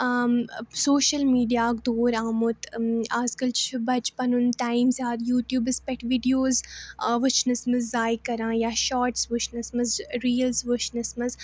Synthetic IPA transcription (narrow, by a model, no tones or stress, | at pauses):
soːʃɐlmiːɖijaːkd̪oːɾaːmut̪aːzkɐlt͡ʃʰbɐt͡ʃpɐnunt̪aːimzʲaːd̪juːt̪juːbɪspɛʈʋiɖijoːzʋʊt͡ʃʰnɐsmɐzːaːjkɐɾãːjaːʃaːɾʈsʋʊt͡ʃʰnɐsmɐzɾiːlzʋʊt͡ʃʰnɨsmɐz